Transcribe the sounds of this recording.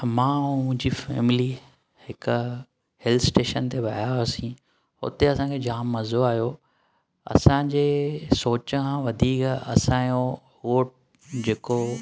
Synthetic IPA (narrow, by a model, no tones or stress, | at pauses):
mãːmʊ̃ɦɪ̃ɲd͡ʑifḛːmɪli | hɪkʊ | hɛlt̪ʰsʈeːʃənt̪ʰebʱɐɦaəsĩ | ɦʊ̰t̪eɐsãkʰed͡ʑaːmːɐzoaːɦjo | ɐ̰sãd͡ʑeːsoːt͡ɕəkʰãʋɐd̪ʱiːkɐ̰sãːjo | oːʈ | d͡ʑeːko